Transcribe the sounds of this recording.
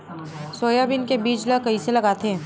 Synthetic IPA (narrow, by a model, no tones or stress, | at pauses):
soːjabɪnkebiːt͡ʃləkɐɦiselɐɡaːt̪eɦẽ